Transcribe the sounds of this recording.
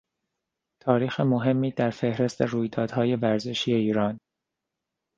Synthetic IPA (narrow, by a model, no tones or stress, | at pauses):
t̪ʰɒːɾiːxemo̞ɦe̞mːiːd̪æɾfe̞hɾe̞st̪ʰeruːjd̪ɒːd̪̥hɒːje̞væɾze̞ʃiːje̞iːɾɒːn